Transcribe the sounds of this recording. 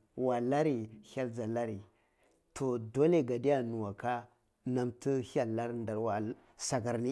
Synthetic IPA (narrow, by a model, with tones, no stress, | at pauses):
wa˨la˦ɾi˨ha˦ld͡za˨la˦ɾi˨ | tʰo˨do˦le˦˨ɡa˨di˦ja˦nu˨wa˨ka˦ | na˦mtə˦ha˨la˦ɾnda˨wa˨˦ | sa˨ɡa˨ɾni˦